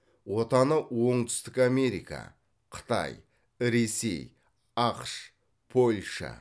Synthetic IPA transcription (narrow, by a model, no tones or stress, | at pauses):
wo̞t̪ɑnəwo̞ɴt̪ʰʏ̥st̪ɪkame̞ɾijka̰ | qʰə̥t̪ɑ̰j | ɾe̞se̞̰j | ɑqʃ | pʰo̞lʲʃa̰